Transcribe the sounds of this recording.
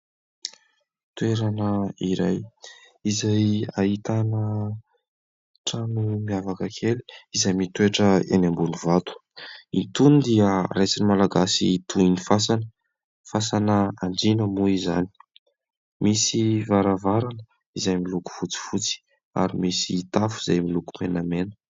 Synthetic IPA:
t̪ueɾanəiɾa̰j | izajait̪anə | ʈ͡ʂamimiavakəkʰeli̥izajmit̪ueʈ͡ʂəḛnambunivat̪u̥int̪unid̪iəɾet͡sinimalaɡasit̪ʰuinifasanə | fasanəaɳɖ͡ʐinəmuizani̥ | misivaɾavaɾanə | izajmiluku̥fut͡si̥fut͡si̥ | a̰ɾimisiːt̪afuzajmilukumenəmenə̥

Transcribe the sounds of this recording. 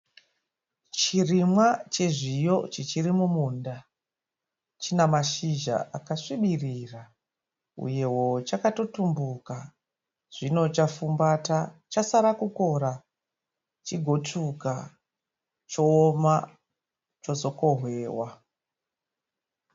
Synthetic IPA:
t͡ʃirimwat͡ʃeʐijo̞t͡ʃet͡ʃirimumuːnda | t͡ʃinamaʃiʒa̰ʔakaʂiɓirira | ṵje̞wo̞t͡ʃakato̞tumbuka | ʐ̥ino̞t͡ʃafumbatat͡ʃasaɾakuko̞ɾa | t͡ʃiɡʱo̞tuka | t͡ʃoːma | t͡ʃo̞zo̞ko̞ɦwe̞ːwa

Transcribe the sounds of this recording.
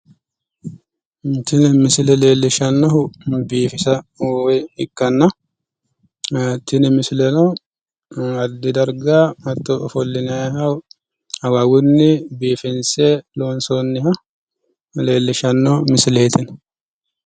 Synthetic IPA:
t̪ɪnmɪsɪlɛle̞ːlːɪʃɐnːɔɦʊbiːfɪsɐwɛhɪkːɐnːɐ | t̪ːɪnɪmɪsɪlɛnɔ | ɐd̪ːɪd̪ɐɾɡaːmɐt̪ːɔʔɔfɔlːɪnɐhɐw | hɐwawʊnːɪbiːfɪnseːloːnsonːɪhɐ | le̞ːlːɪʃɐnːɔmɪsɪleːt̪ɪn

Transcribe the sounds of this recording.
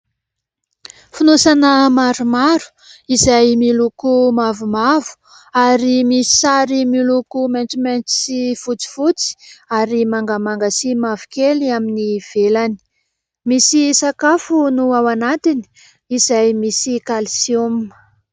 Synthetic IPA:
funusanəmaɾumaɾu̥ | izajmilukumavumavu̥ | aɾimisi̥saɾimilukument͡siment͡si̥sifut͡si̥fut͡si̥aɾimaŋɡəmaŋɡasimavukeliaminiv̥elani̥ | misisakafunuawanat̪ini̥ | izajmisikalisiom

